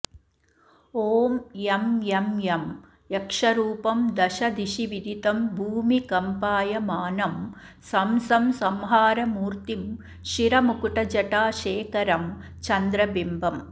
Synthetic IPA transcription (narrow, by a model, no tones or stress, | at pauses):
oːmememjɐm | ekʂɐɾuːpɐmd̪ɐʃɐd̪iʃiʋid̪ʱit̪ɐmbʱuːmikɐmpaːjɐmaːnɐm | sɐmsɐmsɐmɦaːɾɐmuːɾt̪im | ʃiɾɐmukuʈɐd͡ʒɐʈaːʃeːkɐɾɐm | t͡ʃɐnd̪ɾɐbimbʱɐm